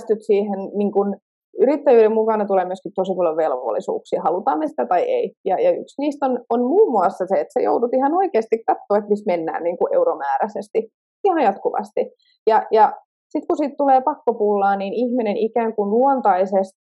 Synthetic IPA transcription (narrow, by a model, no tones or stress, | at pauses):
st̪yt̪siːhenniŋkun | yɾit̪ːæjyːɾemmukɑnɑt̪uleːmyøskit̪t̪osipɑljoʋʋelʋo̰lːḭsṵːksihɑlut̪ɑːmːesi̥t̪æt̪ɑiḛijɑjɑyksniːst̪ononmuːmːuɑsːɑseet̪sḛjo̰udut̪ihɑnoikeːst̪ikkɑt̪ːoːet̪mismenːæ̰ːnniːŋkuʔḛuɾomæːɾæsest̪i | sihonojɑt̪kuʋɑ̰st̪i | jɑjɑ | sit̪kusiːt̪t̪uleːpɑkːopulːɑːniːnihminenikæːŋkunluont̪ɑisest̪